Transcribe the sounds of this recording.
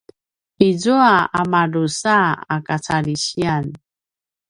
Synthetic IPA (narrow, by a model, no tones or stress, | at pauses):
id͡zoaamaɖusaa̰kat͡saliɕian